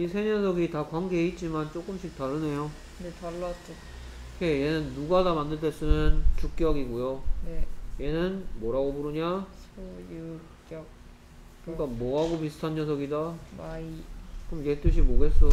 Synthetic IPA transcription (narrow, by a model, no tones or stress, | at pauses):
isʰeɲʌsʰʌɡitakwaŋɡeit̚t͡ɕ͈imant͡ɕ͈ok͈ɯmɕʰik̚t͈aɾɯne̞jo | netʌɭːat͡ɕ͈o | ke̞jenɯnːuɡadamandɯɭdes͈ɯnʌnt͡ɕuk̚k͈jʌɡiɡojoneje̞nɯnmʌɾaɡobuɾɯɲa | k͈jʌk̚ | ɯik͈amʌaɡopisʰɯ̥tʰanɲjʌsʰʌɡidaaikomjet͈ɯɕ̬ʰimoɡe̞s͈ʌ